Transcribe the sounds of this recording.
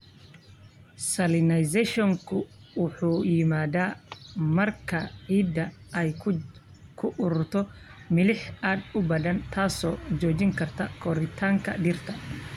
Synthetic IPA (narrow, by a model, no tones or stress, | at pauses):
sɐlɪnɐjsɛʃɔŋkʰʊ | wʊħuːjɪmaːd̪aːmɐrkʰɐiːd̪ɐɛj | kʰʊʔʊɾʊrt̪ʰɔmɪlɪħaːd̪ʊbɐðɐnt̪ʰaːsɔːd͡ʒɔːt͡ʃɪŋkʰɐrt̪ʰɐkʰɔɾɪt̪ʰaːŋkʰɐ̰ɖɪrt̪ʰɐ